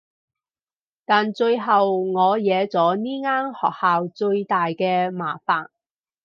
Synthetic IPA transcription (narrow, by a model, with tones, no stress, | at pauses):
t̪aː˨nt͡ʃɵ˧ɥɦɐ˨wŋɔː˨˧jɛː˨˧t͡sɔː˨˥niː˥ŋaː˥nhɔ̰ː˨k̚haː˨wt͡ʃɵ˧ɥt̪aː˨jkɛː˧ma̰ː˨˩faː˨n